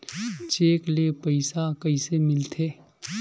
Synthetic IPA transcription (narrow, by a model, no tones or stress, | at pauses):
t͡ʃeːklepɐɪsakɐisemɪlt̪ʰeː